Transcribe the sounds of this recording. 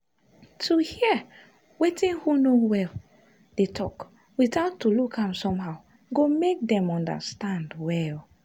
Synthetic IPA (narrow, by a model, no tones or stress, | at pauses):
tʰuhiə | wetĩnhunowɛl | d̥etʰɔk | wiθaʊtːulukʰãmsɔ̃mɦaʊ | ɡomek̚dɛ̃mɔ̃ndə̰stãndwɛl